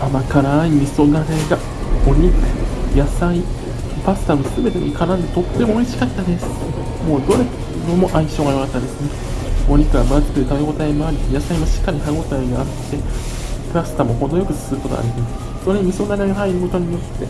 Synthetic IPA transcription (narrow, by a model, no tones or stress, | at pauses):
amakaɾaːimʲiso̞naɾeɡa | oɲʲikjasai | pasɨ̥t̪amosɨbe̞t̪e̞noikaɾãnd̪e̞t̪o̞t̪ːe̞mo̞ːiɕi̥kakt̪ːand̪esɨ̥ | mo̞ːd̪o̞ɾek | nomo̞ʔaiɕo̞ːɡajo̞kat̪ːae̞sɨne | o̞ɲ̟ikɯabazɨ̥kɯɾɯ̟t̪aeɡo̞t̪aimaːɾʲijasaimaɕi̥kːaɾʲiɦaɡo̞t̪aiɡaːt̪ːe̞ | pɯɾasɨ̥t̪amo̞ho̞d̪ojo̞kɯ̟sɨ̥sɨɾɯ̟ko̞t̪o̰a̰ɾʲimasɨ̥ | soɾeɲimʲiso̞naɾeɡaɦaiɾɯ̟ko̞t̪o̞ɲ̟ijo̞t̪ːe̞